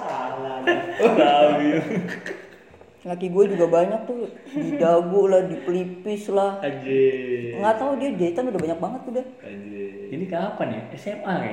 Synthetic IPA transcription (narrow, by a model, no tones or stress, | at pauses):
alaauɡit̪u | lakiɡuɛd͡ʒuɡabaɲak̚t̪ʊhdidaɡʊlahdipəlipɪslahad͡ʒeŋɡat̪audiad͡ʒat̪anudahbaɲak̚baŋət̪ːudah | d͡ʒe | inikapanjaɛsɛmarja̰